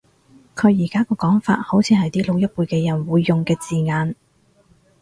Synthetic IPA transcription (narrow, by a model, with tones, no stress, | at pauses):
kʰɵ˨˧ɥjiː˨˩kaː˥kɔː˧kɔː˨˥ŋfa̰ː˧t̚ho˨˥wt͡sʰiː˧hɐ˨jt̪iː˥lo˨˧wjɐ˥k̚puː˧jkɛː˧jɐ˨˩nwuː˨˧jːʊ˨ŋkɛː˧t͡siː˨ŋaː˨˧n